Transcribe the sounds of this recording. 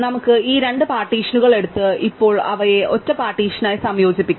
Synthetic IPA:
nɐmukːɨiːɾe̞ɳɖɨpaːrʈːiːʂɐnuɣɐɭe̞ɽut̪ːɨipːo̞ːɭɐʋɐje̞ʔo̞tːɐpaːrʈːiːʂɐnaːjsɐmjo̞ːd͡ʑipːikʲː

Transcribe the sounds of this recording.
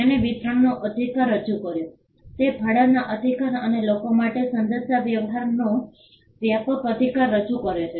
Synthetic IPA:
eneʋit̪ɾəɳnoʔəd̪ʱikaɾːəd͡ʒukəɾjo | t̪epʰaɽanaʔəd̪ʱikaɾənelokomaʈesənd̪əsjaʋjəʋɦaɾno | ʋjapəkəd̪ʱikaɾːəd͡ʒukəɾet͡ʃʰe

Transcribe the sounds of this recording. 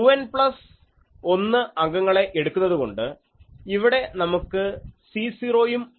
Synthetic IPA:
uɐnpɭɐs | o̞nːɨɐŋɡɐŋːɐɭe̞ʔeɽukːunːɐðuko̞̰ɳɖɨ | iʋiɽe̞nɐmukːɨsiːsiːro̞ːjum

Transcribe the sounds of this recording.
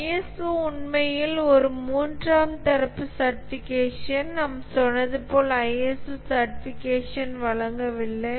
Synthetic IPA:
ɛsɯʊɳmɐjɪlɔɾɯmuːndraːmt̪ɐɾɐpːɯsɐɾʈɪfɪkeːʂɐnnɐmːɐsɔnːɐðɯpoːlɐɐjɛsɯsɐɾʈɪfɪkeːʂɐnʋɐɭɐŋɡɐʋɪɭːɐ

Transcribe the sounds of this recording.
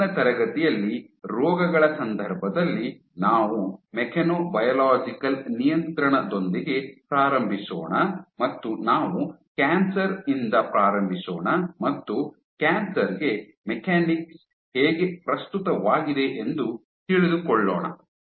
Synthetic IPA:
ɐt̪ɐɾɐɡɐt̪ijɐlːiɾɔːɡɐɡɐɭɐsɐnd̪ʱɐɾbʱɐd̪ɐlːi | naːʋumɛkʰɐnoːbɐjɐlaːd͡ʒikɐlnijɐnt̪ɾɐɳɐd̪o̞nd̪iɡe̞pɾaːɾɐmbʱiso̰ːɳɐmɐt̪ːunaːʋukaːnsɐɾind̪ɐpɾaːɾɐmbʱisoːɳɐmɐt̪ːu | kaːnsɐɾɡe̞ | mɛkʰaːniks | heːɡe̞pɾɐst̪ut̪ɐʋaːɡid̪e̞ʔend̪u | t̪iɭid̪ukɔɭːɔ̰ːɳɐ̰

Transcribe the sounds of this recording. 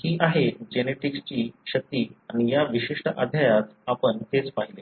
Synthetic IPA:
hiːʔaɦed͡ʑeneʈikst͡ɕiːɕək̚t̪iːanijaʋiɕiʂʈəʔa̰d̪ʱjajat̪apəɳt̪et͡spaɦile

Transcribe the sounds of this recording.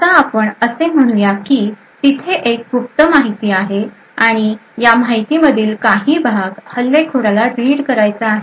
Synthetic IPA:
ət̪aːpəɳəsem̤əɽ̃ujakiː | t̪it̪ʰeʔekup̚t̪əmaɦit̪iːaɦe | aɽ̃ijamajt̪iməd̪ʱiːlkaɦiːbʱaɡhəlːekʰuɽalaɖɾiːɽkəɾajt͡saːɦe

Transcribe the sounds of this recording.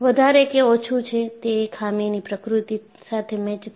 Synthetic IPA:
ʋəd̪ʱaɾekeot͡ʃʰut͡ʃʰet̪ekʰaminipɾəkɾut̪i | sat̪ʰemɛ̃t͡ʃ

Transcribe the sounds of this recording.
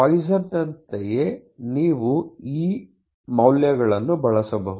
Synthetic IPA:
ɐjsɐd̪ɐnt̪eje̞niːʋuiː | mɐwljɐɡɐɭɐnːubʱɐɭɐsɐbɐɦu

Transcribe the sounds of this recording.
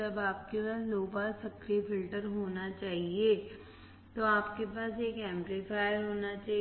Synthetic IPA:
ɐbaːp̚kepaːsloːpaːsɐkɾifɪlʈəɾɦoːnat͡ʃaːɦie | t̪oaːpkepaːseːkɛ̃ːmplifaːɪjɾɦoːnat͡ʃaː

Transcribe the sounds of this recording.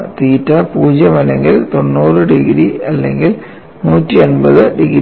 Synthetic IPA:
t̪iːtːɐpuːd͡ʑjɐmɐleŋɡilt̪o̞nːuːrɨɖiɡɾiɐlːḛŋɡil | nuːtːionbɐðɨɖiɣɾ

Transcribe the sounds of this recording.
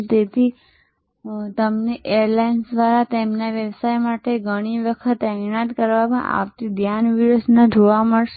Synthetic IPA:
t̪et̪ʰi | t̪əmneʔejəɾlajnsd̪ʋaɾat̪emnaʋjəʋsajmaʈeɡʱəɽ̃iʋəkʰət̪anat̪kəɾʋamã̰ʔa̰pt̪id̪ʱjanʋiɾusnə̃d͡ʒoʋaməɭʃ

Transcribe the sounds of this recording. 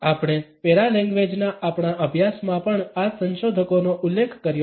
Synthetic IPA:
apɽ̃epeɾalɛ̃ŋɡʋed͡ʒnaʔapɳaʔəbʱjasmãpəɳasə̃nʃod̪ʱəkonoʔʊlːekʰkəɾjo

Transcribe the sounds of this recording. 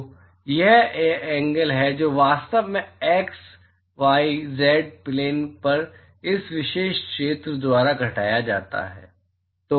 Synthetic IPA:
jɛɦɛ̃ːŋɡəlɦɛd͡ʒoːʋaːst̪əʋmẽɛːks | ʋaːizɛːɖ̚pleːnpɐɾ | ɪsʋɪʃeːʃkʃeːt̪ɾəd̪ʊaːɾaɡʱɐʈa̰ːjad͡ʒa̰ːt̪a̰ɦɛ̰ː | t̪oː

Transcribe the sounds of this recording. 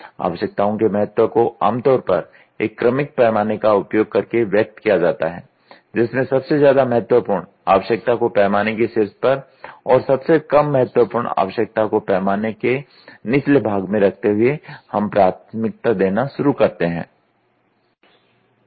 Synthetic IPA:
a̰ːʋəʃək̚t̪aõkemɐɦət̪wokoa̰ːmt̪ɔːɾpɐ̰ɾ | ḛːkːɾəmɪk̚pɛːmaːnekaʊpjoːɡ̚kɐɾkeʋjɐk̚t̪kijad͡ʒaːt̪aɦɛː | d͡ʒɪsmẽsɐbsezjaːd̪amɐɦət̪wəpuːɾɳ | a̰ːʋəʃək̚t̪akopɛːmaːnekeseɾspɐɾ | ɔːɾsɐbsekɐmːɐɦət̪wəpʊːɾɳa̰ːʋəʃjək̚t̪akopɛːmaːneke | nɪslebʱaːɡmẽɾɐk̚ʰt̪eɦʊehɐmpɾaːt̪mɪk̚t̪ad̪eːnaʃʊɾukɐɾt̪eɦɛ̰̃ː

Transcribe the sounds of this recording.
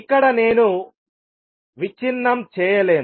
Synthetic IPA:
kːɐɽɐne̞ːnu | ʋit͡ʃinːɐmt͡ʃɛːjɐle̞ːn

